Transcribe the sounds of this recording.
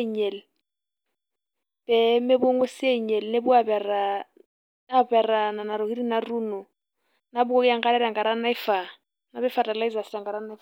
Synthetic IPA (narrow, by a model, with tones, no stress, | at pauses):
ɲɛ˨l | b̥ɛ˨mɪ˦bo˦ŋwe˦sɪ˦ɛ˦ɲɛ˨lne˦bʊ˦a˨bɛ˨ra˨ | a˦bɛ˨ra˨na˨na˨ɾo˨hi˦ɾi˦na˨ruː˦nɔ˨ | na˦bʊ˦ko˦kɪ˦a˦ŋ̩˦ka˦ɾɛ˦ɾa˨ŋkʼa˨ɾa˦na˦ɪ˦fa˨ | nabɛ˦fata˨la˦i˦za˨sɪɾa˨ŋka˨ɾa˦na˦f